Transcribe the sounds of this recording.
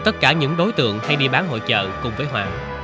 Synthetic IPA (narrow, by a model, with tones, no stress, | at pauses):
t̪ə˦˥t̚kaː˧˩ɲɨ̰˧˥ŋɗo˨˦jt̪ɨ̰˧˨əŋha˧jɗi˧ɓaː˨˦nɦo̰˧˨jt͡ɕə̰ː˧˨˩kʊ˨˩ŋ͡mvəː˨˦jɦwaː˧˨˩ŋ